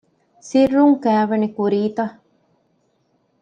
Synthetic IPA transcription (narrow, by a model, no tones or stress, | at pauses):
sirːuŋkæːʋɐnikuɾiːt̪ɐ